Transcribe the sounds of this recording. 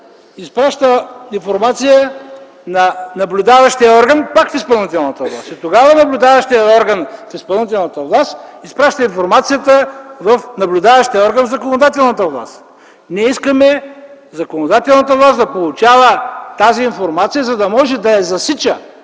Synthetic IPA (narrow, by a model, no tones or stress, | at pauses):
ispɾaʃt̪əinfoɾmat̪sijə | nɐnɐblʲud̪avɐʃt̪ijəɔɾɡənpakfispəlˠnit̪ɛlˠnɐt̪əvlˠa̰st̪it̪oɡavənɐblʲud̪avɐʃt̪iəɔɾɡənfispəlˠnit̪̬ɛlˠnət̪əvlˠast̪ispɾaʃt̪əinfoɾmat̪sijət̪əvɐfnɐblʲʊd̪avɐʃt̪ijəɔɾɡənvzɐkonod̪at̪̬ɛlˠnət̪əvlˠa̰st̪ | nɛiskəmɛ | zɐkonod̪at̪ɛlˠnət̪əvlˠasd̪ɐpolˠut͡ʃavət̪aziːnfoɾmat̪sijəzɐd̪ɐmɔʒɛd̪ɐɛzɐsit͡ʃə